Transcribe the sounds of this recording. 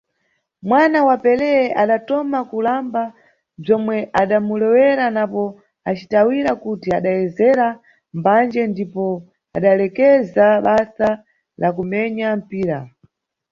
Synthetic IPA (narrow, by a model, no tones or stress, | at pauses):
mwanawapɛlɛɛʔaɗatɔmakulamba | b͡ʐɔmwɛʔaɗamulɛwɛɾanapɔ | at͡ʃitawiɾakutiaɗajɛzɛɾa | mband͡ʒɛndipɔ | a̰ɗalɛkɛzaɓasa | lakumɛɲam̩piːɾa